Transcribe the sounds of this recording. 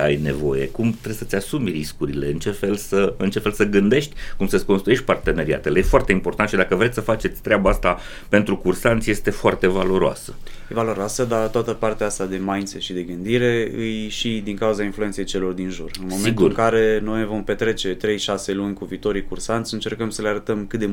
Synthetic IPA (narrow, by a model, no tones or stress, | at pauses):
a̰jne̞̰vo̞̰jḛkumt̪ɾesət̪ʲasumʲriskuɾile̞ɨnt͡ʃe̞fe̞lsəɨnt͡ʃe̞fe̞lsəɡɨnd̪e̞ʃt̪ʲkumsəsʲkonst̪ɾuje̞ʃt̪̚ʲpart̪e̞neɾia̰t̪elejefoart̪eimpo̞rt̪ant̪ʃid̪akəvɾe̞t̪sʲsəfat͡ʃe̞t̪sʲt̪ɾeabaast̪a | pe̞nt̪ɾukursant̪sʲje̞st̪e̞foart̪e̞valo̞ɾoa̰sə̥jevalo̞ɾoasəd̪at̪oat̪əpart̪eaast̪ad̪e̞majnset̪ʃid̪e̞ɡɨnd̪iɾe̞ɨjʃid̪iŋkauzainflue̞nt̪sejejt͡ʃe̞lo̞rd̪inʒurɨnmmoseinɡ̪uɨɨŋkaɾe̞no̞jvo̞mpe̞t̪ɾe̞t͡ʃe̞t̪ɾe̞jʃase̞lunʲkuviːt̪o̞ɾijkursant̪sʲɨnt͡ʃe̞rkəmsəleaɾət̪əmkɨt̪d̪e